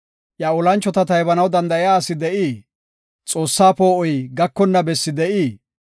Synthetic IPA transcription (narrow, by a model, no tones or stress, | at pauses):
ʔjaɔlɐnt͡ʃːɔt̪ɐt̪ɐjbɐnɐwd̪ɐnd̪ɐɪjaːsɪd̪ɛʔiː | t͡sʼo̞ːsːaːpo̞ːʔɔjɡɐkːɔnːɐbɛsːɪd̪ɛʔiː